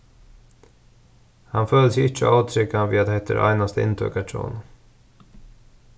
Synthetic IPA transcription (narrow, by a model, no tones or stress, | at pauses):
hɑnføːləsɛɪt͡ʃə̰ʔaːt̪ʰɾʏkanʋḭːad̪ehɛt̪ə̰ɾʔæ̰ɪnɑst̪əɪ̰nt̪ʰœ̰ːkɑʈʰo̰ːn